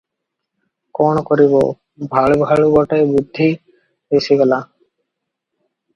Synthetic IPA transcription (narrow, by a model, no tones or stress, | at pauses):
konokoɾiβo | bʱaɭbʱaɭuɡɔʈajbud̪ʱːi | desʰiɡɛla